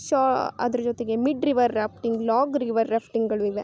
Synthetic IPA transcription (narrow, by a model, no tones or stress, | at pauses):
ʃaːɐ̰d̪ɐɾɐd͡ʒot̪eɡe̞miɖɾiʋɐɾːaːpʰʈiŋɡlaːɡɾiʋɐɾːaːpʈiŋɡɡɐɭuiʋe